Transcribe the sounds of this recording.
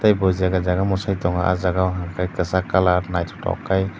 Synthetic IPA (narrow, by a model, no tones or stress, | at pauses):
tajbɔziaɡazaɡamɔsajtɔŋa̰ʔa̰zaɡawɦaŋkʰajkɯsakalaɾnajtʰtɔ̰wkʰːaj